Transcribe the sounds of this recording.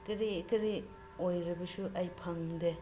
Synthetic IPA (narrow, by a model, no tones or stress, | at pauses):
kɐɾikɐɾi | ojɾɐbɐsuʔajpʰaŋde